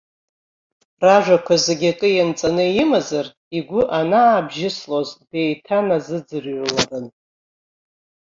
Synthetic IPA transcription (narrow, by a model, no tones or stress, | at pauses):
raʒʷᶣakʷʰazeɡʲatʼɨjant͡sʼanɨimazar | iɡʷʊʔanaːbʒɪslozde̞jtʰanazɨd͡zɨrlarɨn